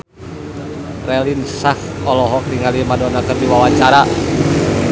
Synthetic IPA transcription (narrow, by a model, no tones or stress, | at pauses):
rɛlinsakɔlɔɦɔk̚tiŋalimadɔnakɨrdiwawat͡ʃaɾa